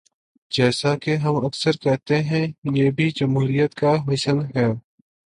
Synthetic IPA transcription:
d͡ʒɛːsakeɦɐmɐksəɾkɛɦt̪eɦɛ̃jeːbʱid͡ʒɐmɦuːɾijət̪kamɪʃəlɦɛː

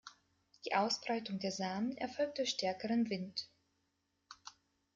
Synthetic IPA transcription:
d̥iːʔaʊsb̥ʁaɪtʊŋdeːɐzaːmənɛ̰ɐfɔlk̚td̥ʊːçʃtɛɐkəʁənvɪnt

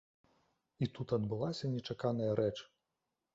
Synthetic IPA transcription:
it̪ut̪ɐd̪bɨlˠasʲɐnʲɛt͡ʂakanɐjɐɾɛt͡ʂ

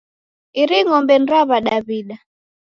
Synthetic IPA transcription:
iɾiŋɔmbɛn̩ɾaβaɗaβiɗa

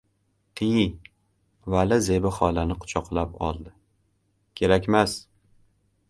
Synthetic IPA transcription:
q̪ʰiji | valɪze̞bɪχɒlanɪqʰʊ̥t͡ʃʰɒqlˠapɒ̰lˠd̪ɪ | kʲʰe̞ɾakʲmas

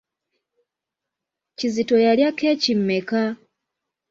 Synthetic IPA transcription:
cizito̞jaljake̞ːcimːe̞ka

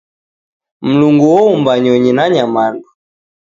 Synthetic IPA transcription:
m̩luŋɡuwɔumbaɲɔɲinaɲamandɔ

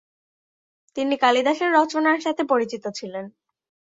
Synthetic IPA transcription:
t̪inikalid̪aʃeɾːɔt͡ɕonaɾʃat̪ʰepoɾit͡ɕit̪ot͡ɕʰilen

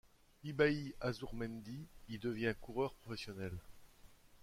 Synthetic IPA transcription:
ibaiazuʁmɛnd̪iild̪əvjɛ̃kuʁœʁpχɔfɛsjɔnɛl

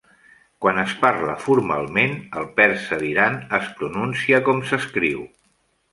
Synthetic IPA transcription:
kwanəsparləfuɾma̰lˠmenəlˠpɛɾsəðiɾanəspɾununsiəkɔmsəskɾiw

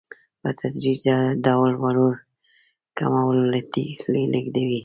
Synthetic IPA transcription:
pət̪ʰad̪ɾiad̪awalwaloɾ | kamawlat̪ḭleleɡd̪awi

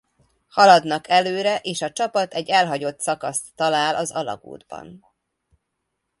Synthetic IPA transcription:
hɒlɒd̪nɒkʰɛløːɾɛʔeːʃɒt͡ʃɒpɒt̪ɛɟːɛlɦɒɟo̞t̪sɒkɒst̪ːɒlaːlʔɒzɒlɒ̰ɡo̰ːd̪bɒ̰n

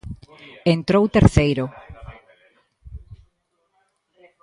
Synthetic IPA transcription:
ent̪ɾowt̪eɾθejɾo

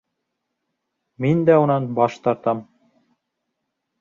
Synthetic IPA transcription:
mind̪æunɑnbɑʃt̪ɑɾt̪ɑm

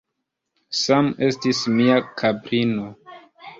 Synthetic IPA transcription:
same̞stismiakʰabɾino̞

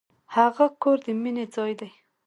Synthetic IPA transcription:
haɣakoɾd̪əmined͡zɑjd̪aj

